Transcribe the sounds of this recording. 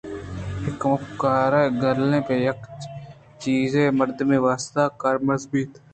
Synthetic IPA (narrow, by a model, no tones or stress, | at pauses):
ɪkmʊkaːɾaːɡəlẽːpeːjək | t͡ʃiːzẽːməɾd̪mẽːʋaːst̪aːkəɾməzbiːt̪